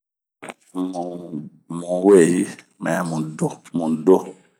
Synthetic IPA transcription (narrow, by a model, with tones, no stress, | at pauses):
mu˨ | mũ˨we˦˨ji˦ | mɛ˨˦mũ˨do˦mũ˨do˦